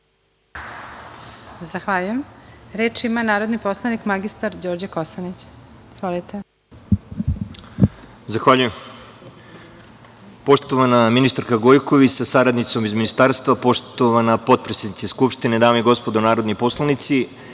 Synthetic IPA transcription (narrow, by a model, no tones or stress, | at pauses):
zaxʋaʎujemɾeːt͡ʃimanaːɾo̞d̪nipo̞slˠanikmaɡist̪aɾd͡ʑoːɾd͡ʑakosanit͡ɕ | izʋolit̪e | zaxʋaʎujem | po̞ʃt̪o̞ʋanaminist̪aɾkaɡo̞jko̞ʋit͡ɕsasaɾad̪nit̪so̞mizminist̪aɾst̪vʋapo̞ʃt̪oʋanapo̞t̪̚pɾesed̪it̪seskupʃt̪ined̪aːmeiɡo̞spo̞d̪onaːɾo̞d̪nipo̞slˠanit̪si